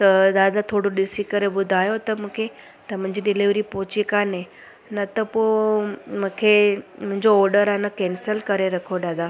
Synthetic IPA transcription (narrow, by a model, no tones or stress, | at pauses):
t̪əd̪ad̪at̪ʰoɽuɖɪsikəɾebʊd̪ʱajot̪əmə̃kʰe | t̪əm̤ə̃ɲd͡ʒeɖɪliʋɾipot͡ʃikane | nət̪əpo | mə̃kʰem̤ə̃ɲd͡ʒoɔɾɖəɾanəkɛnsəlkəɾeɾəkʰod̪ad̪a